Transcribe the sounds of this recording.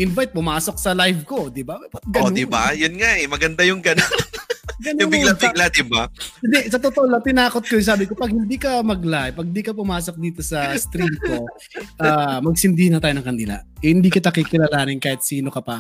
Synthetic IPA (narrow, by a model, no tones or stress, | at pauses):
ʔɪnvajt̪̚pʊmaːso̞k̚sɐlajvko̞d̪ɪbapɐt̪̚ɡɐod̪iba̰jʊnŋaʔɛmɐɡɐnd̪ajʊŋɡɐnonnɡɐnjʊbɪɡlabɪɡ̚lad̪ɪbaɪnd̪ɛsɐt̪ot̪olɐt̪ɪnaːkot̪̚kojos̬aːbɪkopɐɡ̚hɪnd̪iːkɐmɐɡlajpɐɡ̚ɪnd̪iːkɐp̬ʊmaːsok̚d̪iːt̪osɐst̪ɾimko̞ | ʔaːmɐɡ̚sɪnd̪iːhɪnɐt̪aːjoɐŋkɐnd̪ila̰ɛhɪnd̪iːkɪt̪̬ɐkikɪlaːlaːnɪnkaːhɪt̪̚siːno̞kɐpɐ